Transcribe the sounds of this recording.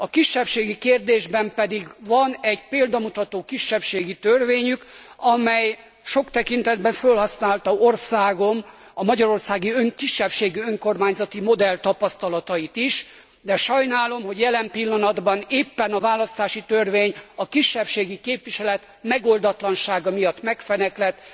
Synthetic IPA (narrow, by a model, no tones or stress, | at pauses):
ɒkiʃːɛpʃeːɡikeːrd̪eːʒbɛmpɛd̪iɡvɒnɛɟpeːld̪ɒmut̪ɒt̪oːkiʃːɛpʃeːɡit̪ørveːɲyk | ɒmɛj | ʃo̞kt̪ɛkint̪ɛd̪bɛɱfølhɒsnaːlt̪ɒorsaːɡo̞mɒmɒɟɒɾo̞rsaːɡiøŋkiʃːɛpʃeːɡiøŋko̞rmaːɲzɒt̪imo̞d̪ɛlt̪ɒpɒst̪ɒlɒt̪ɒjit̪iʃ | d̪ɛʃɒjnaːlo̞mɦo̞ɟjɛlɛmpilːɒnɒd̪bɒneːpːɛnɒvaːlɒst̪aːʃit̪ørveːɲɒkiʃːɛpʃeːɡikeːpʋiʃɛlɛt̪ | mɛɡo̞ld̪ɒt̪lɒnʃaːɡɒmijɒt̪ːmɛkfɛnɛklɛt̪